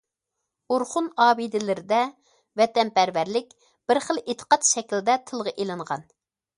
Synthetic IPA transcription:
uɾχunɑːbid̪ɪlɪɾɪd̪ɛ | vɛt̪ɛnpæɾvæɾlɪkʲ | b̥ɪɾχəlˠet̪ʰə̥qɑt̪ʃɛkʲld̪ɛt̪ʰəlˠʁɑʔelˠɨɴʁɑ̰n

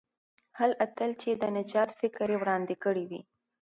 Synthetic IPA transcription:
halʔat̪əlt͡ʃed̪ənad͡ʒɑt̪fɪkɾewɽɑnd̪ɪkəɽiwḭ

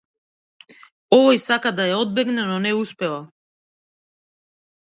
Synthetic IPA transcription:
ɔvɔjsakad̪ajaɔd̪̚bɛɡnɛnɔnɛuspɛva

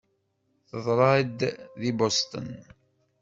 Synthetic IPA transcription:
θəðˤɾˤɑd̪ðibost̪ə̰n

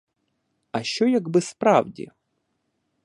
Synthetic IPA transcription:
ɐʃt͡ʃɔjɐɡbɪspɾɑ̰wdʲḭ

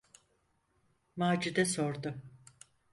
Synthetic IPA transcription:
maːd͡ʒid̪ɛso̞ɾd̪ʊ

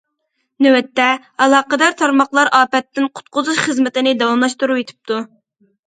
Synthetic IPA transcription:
nøwɛt̪ːɛ | ɑlˠɑːqəd̪ɑɾt̪ʰɑɾmɑχlˠɑɾʔɑːpɛt̪ːɪnqʰʊ̥t̪̚qʊzuʃχəzmɪt̪ɪnɪd̪ɑwɑmlˠɑʃt̪uɾuet̪ʰɪ̥p̚t̪ʰu

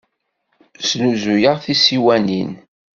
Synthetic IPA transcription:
snuzujəʁθisiwænḭn

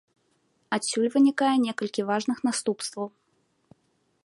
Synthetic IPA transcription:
asʲːulʲvɨnʲikajɛnʲɛkɐlʲkʲivaʐnɨxnast̪upst̪vɐw

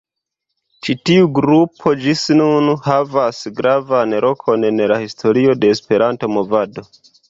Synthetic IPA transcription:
t͡ʃitiuɡɾupʰo̞d͡ʒisnunhavasɡɾavanɾo̞kʰo̞ne̞nlahistʰo̞ɾio̞de̞ːspe̞ɾʔanto̞mo̞vado̞

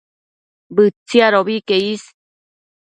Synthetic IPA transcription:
bɨt͡sːiaɾoβikeis

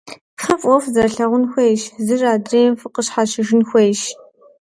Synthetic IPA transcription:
fɐfʼʷɔfzɐrɬɐʁʷʊnxʷejʃzɨraːdreːmfɨqəɕħaʃɪʒɪnxʷejʃ

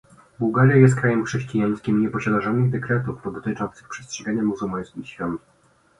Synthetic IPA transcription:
buwɡaɾʲjajɛst̪̚kɾajɛmxʂɛɕt͡ɕijaj̃skʲimɲɛpɔɕad̪aʐɔnɘɣd̪ɛkɾɛt̪ufɔd̪ɔt̪ɘt͡ʂɔnt̪sɘxpʂɛstʂɛɡaɲamuzulmaj̃skʲiɕfʲjɔnt̪

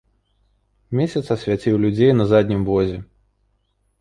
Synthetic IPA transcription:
mʲesʲɐt̪sɐsʲvʲat͡sʲiwlʲud͡zʲejnɐzad̪ʲnʲimvɔzʲɛ

